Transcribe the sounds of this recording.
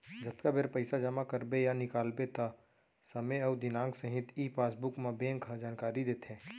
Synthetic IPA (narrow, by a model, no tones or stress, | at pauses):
d͡ʒət̪kabeɾpəɪsad͡ʒəmakəɾbejanɪkaːlbet̪a | səmeəːd̪ɪnãːŋɡsəɦɪt̪ʰipʰaːsbʊkmãbẽːŋkad͡ʒaːnkaːɾid̪eːt̪ɦɛ̃ː